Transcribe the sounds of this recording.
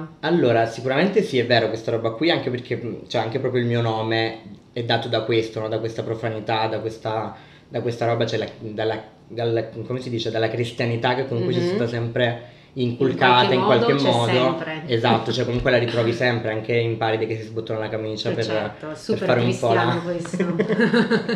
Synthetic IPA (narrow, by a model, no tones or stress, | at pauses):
alːoːɾasikuɾament̪esiɛvːeːɾokwest̪aɾɔːbakwiaŋk̟eperkʰet͡ʃɛaŋk̟epɾɔːpɾjoilmiːonɔːme | ɛd̪ːaːt̪od̪akwest̪onɔd̪akwest̪apɾofanit̪ad̪akwest̪a | d̪akwest̪aɾɔːbat͡ʃɛlad̪alːa | d̪alːakomesid̪iːt͡ʃed̪alːakɾist̪janit̪ak̟ːekːomuŋkwet͡ʃist̪at̪asɛmpɾe | iŋkulkaːt̪aiŋkwald̪emmːɔːd̪oezat̪ːot͡ʃɔɛkːomuŋkwelaɾit̪ɾɔːvisɛmpɾeaŋk̟eimpaːɾid̪ekesːizbut̪ːoːnalakamiːt͡ʃaper | erfaːɾeummpɔla